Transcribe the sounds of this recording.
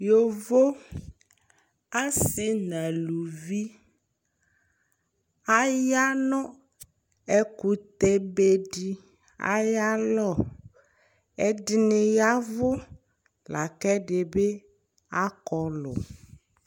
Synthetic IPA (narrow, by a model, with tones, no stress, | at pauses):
jo˨vo˦ | a˦si˨nã˨lu˨vi˦ | a˦ja˦nɔ̃˦ | e˦ku˨t̪e˦be˦ɖi˦ | a̰˦ja˦lɔ˨ | e˦di˦ne˨ja˦vʊ˦ | la˨kɛ˦ɖe˨be˦ | a˦kɔ˨lɔ̰˨